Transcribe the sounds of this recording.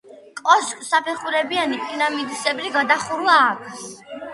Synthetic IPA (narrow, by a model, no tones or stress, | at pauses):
kʼɔskʼsapʰɛχuɾɛbianipʼiɾamid̪sɛbliɡad̪aχuɾuaːkʰʼs